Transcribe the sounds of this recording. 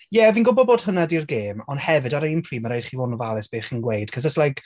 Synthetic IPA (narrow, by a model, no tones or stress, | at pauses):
jɛviːnɡʊbɔbod̥hʊnadirɡeːmɔnhɛvɨdaɾəimpʰriːməɾejd̥χiːvonvalˠɛsb̥eːχinɡwejd̥kʰəsðəslajk